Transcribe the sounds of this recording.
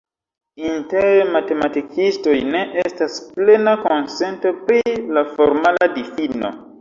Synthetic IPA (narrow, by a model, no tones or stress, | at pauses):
inteɾemate̞matikisto̞jne̞ʔestasple̞nako̞nse̞nto̞pɾilafo̞ɾmaladifino̞̰